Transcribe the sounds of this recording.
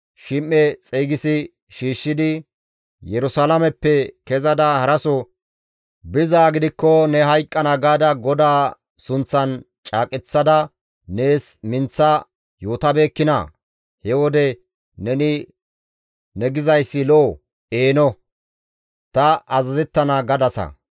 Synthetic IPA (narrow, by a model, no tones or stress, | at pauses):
ʃɪmːɛt͡sʼiːɡɪsɪ | ʃiːʃːɪd̪ɪ | jɛɾʊsaːlɐmɛpːɛkɛzɐd̪ɐhɐɾɐsɔ | bɪzaːɡɪd̪ɪkːɔnɛɦɐjkʼːɐnɐɡaːd̪ɐɡɔd̪aː | sʊnt͡sːɐn | t͡ʃʼaːkʼɛt͡sːɐd̪ɐ | ne̞ːsmɪnt͡sːɐ | joːt̪ɐbe̞ːkːɪnɐ̰ | hɛwɔd̪ɛ | nɛnɪ | nɛɡɪzɐjsːɪlo | e̞ːnɔ | t̪ɐʔɐzɐzɛt̪ːɐnɐɡɐd̪ɐsɐ̰